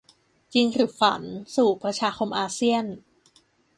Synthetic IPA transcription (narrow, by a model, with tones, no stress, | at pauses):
t͡ɕi˧ŋɾɯ˨˩˦fa̰˩˦nsuː˨˩pɾa˧t͡ɕʰaː˧xʰo˧mʔaː˧si˥˩ən